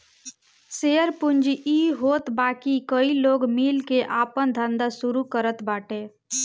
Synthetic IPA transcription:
seəɾpund͡ʒiɦoːt̪baːkikəiloːɡmilkeʔaːpənd̪ʱənd̪asuɾukəɾət̪baːʈe

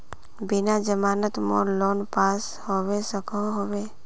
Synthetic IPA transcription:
bɪnad͡ʒəmaːnət̪moloːnpaːs | howesəkʰɔɦowe

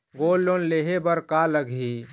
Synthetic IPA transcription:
ɡoːlːonleɦebəɾkaləɡʱi

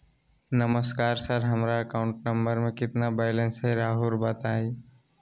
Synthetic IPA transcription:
nɐməskaːɾsɐɾɦɐmɾaɐkaːʊ̃ɳʈnɐ̃mbəɾmẽkɪt̪nabɛːjlə̃nsɦɛɾaːɦuːɾbɐt̪aːi

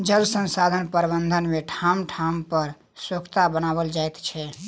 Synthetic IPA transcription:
d͡ʒəlsə̃nsad̪ʱənpəɾbənd̪ʱənmeʈʰamʈʰampəɾ | swəkʰt̪abənaβəld͡ʒaet̪t͡ʃʰɛ

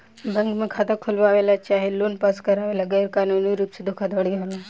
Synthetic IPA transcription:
bɛ̃ŋkmẽkʰaːt̪akʰʊlʋaʋelat͡ʃaːɦeloːnpaskɐɾaʋelaɡɛɾkaːnuːniɾuːpsed̪ʱokʰad̪ɐɽiɦola

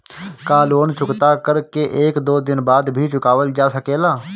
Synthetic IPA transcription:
kaːloːnt͡ʃʊkt̪aːkəɾkeːʔeːkd̪oːd̪ɪnbaːd̪bʱiːt͡ʃʊkaːʋəld͡ʒaːsəkeːlaː

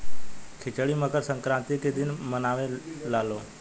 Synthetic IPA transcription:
kʰɪt͡ʃəɽiməkəɾsə̃ŋkɾãːnt̪iked̪ɪnmənaːʋelaːloː

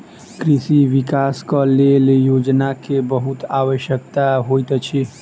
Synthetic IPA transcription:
kɾisiʋikaskəleljod͡ʒnakebəɦut̪aʋəʃjəkt̪aɦojt̪t͡ʃʰi

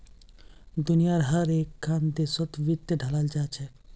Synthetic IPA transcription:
d̪unijaɾɦəɾekʰːand̪esot̪ʋit̪ːəɖʱəlald͡ʒat͡ʃʰɛ

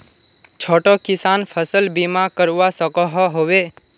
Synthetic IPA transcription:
t͡ʃʰoʈokɪsanfʰəsəlbimãkəɾʋasəkɔɦoɦoʋe

